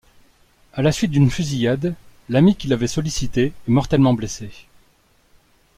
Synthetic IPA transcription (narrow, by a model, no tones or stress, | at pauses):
alasɥit̪̚d̪ynfyzijad̪lamikʲilavɛsɔlisit̪eɛmɔʁt̪ɛlmɑ̃blese